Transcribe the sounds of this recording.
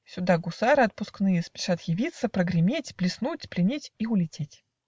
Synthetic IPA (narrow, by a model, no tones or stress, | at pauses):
sʲʊd̪aɡʊsaɾɨɐt̪̚pʊsknɨjəspʲɪ̥ʂat̪jɪvʲit̪sːəpɾəɡɾʲɪmʲetʲplʲɪsnut̪ʲplʲɪnʲetʲiʊlʲɪtʲetʲ